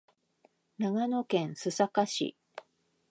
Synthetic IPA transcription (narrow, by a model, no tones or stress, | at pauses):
naɡano̞kẽ̞ɰ̃sɨsakaɕḭ